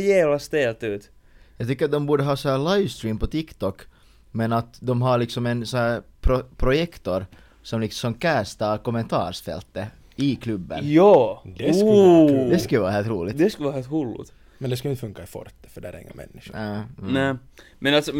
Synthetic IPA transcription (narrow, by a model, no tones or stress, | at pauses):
jæːvlast̪eːlt̪ʉːt̪ | jɑːɡt̪ʏkːəɾat̪d̪ɔmbuːɖəɦɑːsɔhæːɭajvst̪ɾiːmpɔt̪ʰɪkt̪ɔkː | mɛnat̪d̪ɔmɦɑɾɭɪksɔmɛnsɔhæːɾpʰɾɔpʰɾʊjɛkt̪ɔɾ | sɔmlɪkssɔmkæːst̪ɑkɔmːɛnt̪ʰɑ̰ːɾʂfɛ̰lt̪ːə | ɪkʰlʉbːə̰njɑː | d̪ɛskʋɑːɾaheːlt̪ɾuːlɪd̪ɛskʉlʋɑːɾhelt̪hulːʊ̰t̪ | mɛnd̪ɛskɯjɪnfɵŋkːaifɔ̰ɾt̪ːə̥fœɖæːɾɪ̰ŋːə̰nmɛ̰nːɪʂnænæː | mɛnalt̪sɔ